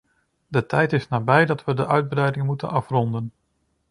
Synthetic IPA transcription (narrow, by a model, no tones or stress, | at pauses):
dətɛjtɪsnaːbɛjdɑtʋədəʔœɥd̚brɛjdɪŋmutənɑfrɔndən